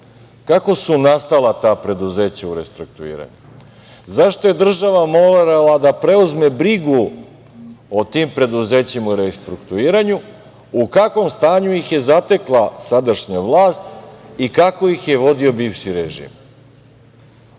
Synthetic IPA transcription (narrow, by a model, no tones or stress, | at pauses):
kako̞sunast̪alˠat̪aːpɾe̞d̪uze̞ːt͡ɕauɾe̞̰st̪ɾuk̚t̪uḭːɾa̰ɲu | zaʃt̪oje̞d̪r̩ʒaʋamolɾalˠad̪apɾe̞uzme̞bɾiɡu | ot̪iːmpɾe̞d̪uze̞ːt͡ɕimuɾest̪ɾukt̪uiːɾaɲu | ukakʋo̞mst̪aːɲujixje̞zat̪e̞klˠasad̪aʃɲaʋlˠaːst̪ikako̞jixje̞ʋo̞d̪io̞biːʋʃiɾeʒḭːm